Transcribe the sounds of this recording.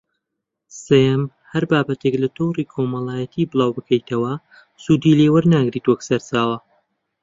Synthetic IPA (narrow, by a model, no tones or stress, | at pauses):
sem | hɐɾbaːbɐt̪e̞klɐt̪ʰowriːkʰomɐlˠaːjɐt̪ʰiːbɨlˠaːwbɨkʰɐjt̪ʰɐwɐ | suːd̪iːleːwɐɾnaːɡɾiːt̪wɐksɐɾt͡saːwɐ